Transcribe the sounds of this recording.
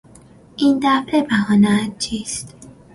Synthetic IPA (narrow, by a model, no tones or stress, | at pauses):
ʔiːnd̪æfɾebæhɒːnæt̪̚t͡ʃʰiːst̪